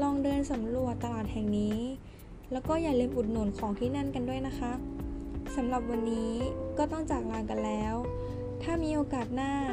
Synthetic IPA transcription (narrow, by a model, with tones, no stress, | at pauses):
lɔː˧ŋdɤː˧nsa˩˦mɾu˨˩ət̪ːa˧laː˨˩t̪̚hɛ˨˩ŋniː˦˥ | lɛː˦˥wkɔː˥˩jaː˨˩k̚li˧əmʔu˨˩t̪̚nuː˨˩˦nkʰɔː˩˦ŋt̪ʰiː˥˩na˥˩˨nka˧ndu˥˩əjna˦˥xʰa˦˥ʔsa˩˦mla˨˩p̚wa˧nːiː˦˥kɔː˥˩t̪ɔ˥˩ŋt͡ɕaː˨˩k̚laː˧ŋka˧nlɛː˦˥w | t̪ʰaː˥˩miː˧ʔoː˧kaː˨˩t̪̚naː˥˩